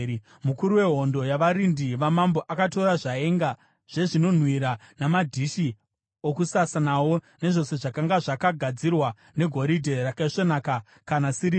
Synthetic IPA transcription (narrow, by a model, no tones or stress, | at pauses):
mukuɾuwe̞ɦo̞ndojaʋaɾindiʋamambo̞ʔakato̞ɾaʐae̞ŋɡa | ʐ̥e̞ʐino̞n̤wiɾanamadʱiʃi | okusasanawo̞ | ne̞ʐo̞se̞ʐakaŋɡaʐakaɡʱad͡zirwa | ne̞ɡʱo̞ɾidʱe̞rakaiʂonaka | kanasiɾi